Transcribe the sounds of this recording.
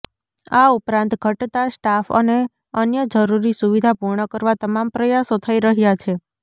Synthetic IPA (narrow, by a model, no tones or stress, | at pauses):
aupɾãnt̪ɡʱəʈt̪asʈafə̰ne | ənjəd͡ʒəɾuɾisuʋid̪ʱapuɾɳəkəɾʋat̪əmampɾəjasot̪ʰəiɾəɦjat͡ʃʰe